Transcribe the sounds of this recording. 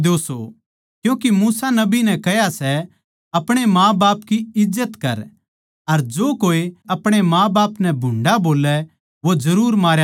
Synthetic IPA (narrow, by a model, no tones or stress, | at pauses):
d̪oːso | kjũːkimuːsanɐbinɛ̃kɛɦjasɛ | ɐpɽ̃emãːbaːp̚kiɪd͡ʒːət̪kɐɾ | ɐɾd͡ʒoːkoːiɐpɽ̃emãːbaːpnɛ̃bʱʊ̃ɳɖaboːlɛ | ʋod͡ʒɐɾuːɾmaːɾja